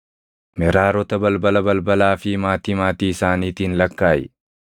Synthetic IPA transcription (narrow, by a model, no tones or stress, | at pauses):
mɛɾaːɾɔt̪ɐbɐlbɐlɐbɐlbɐlaːfɪmaːt̪iːmaːt̪iːɪsaːniːt̪iːnlɐkːaːjɛ̰